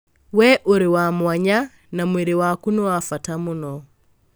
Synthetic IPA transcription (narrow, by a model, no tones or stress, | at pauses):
wɛʔoɾiwamwaɲa | namwiɾiwakunɔwafatamunɔ